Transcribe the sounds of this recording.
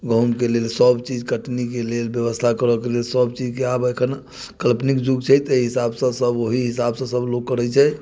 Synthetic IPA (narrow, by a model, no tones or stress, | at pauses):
ɡʱə̃mkelelsəbt͡ʃid͡ʒkəʈnikelelbjəβəst̪ʰakəɾəkelelsəbt͡ʃid͡ʒkeabekʰən | kəlpnikd͡ʒuɡt͡ʃʰɛjt̪eɦisabsə̃səboɦiɦisabsə̃səbloɡkːəɾɛt͡ʃʰɛ